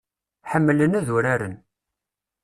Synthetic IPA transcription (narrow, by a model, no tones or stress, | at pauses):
ħəmːlənæðʊɾaɾə̰n